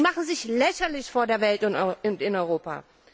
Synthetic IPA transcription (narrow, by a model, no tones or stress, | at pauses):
maχn̩zɪçlɛçɐlɪçfoːɐdeːɐvɛltɪntɪnɔʏʁ̞oːpa̰